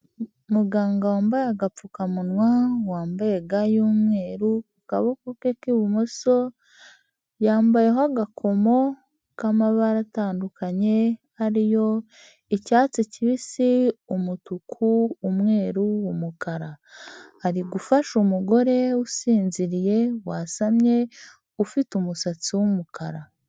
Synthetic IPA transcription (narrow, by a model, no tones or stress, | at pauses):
muɡaːŋɡawaːmbajaɡap͡fukamunwawaːmbajeɡajuːmŋe̞ːɾuukaβokokekiβumoso̞ | jaːmbaje̞ɦoaɡakʰo̞mo̞ | kamaβaɾataːndukʰaɲe̞haɾijo̞ | icaːt͡siciβisiumutukʰuːmŋe̞ːɾuwumukaɾahaɾiɡufaʃumuɡo̞ɾe̞usiːnziɾije̞wasamɲe̞ | ufitumusat͡siwumukaɾa